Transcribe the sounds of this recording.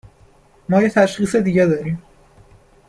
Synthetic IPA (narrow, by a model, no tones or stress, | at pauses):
mɒːjet̪ʰæʃxiːsed̪iːɡɟæd̪ɒːɾiːm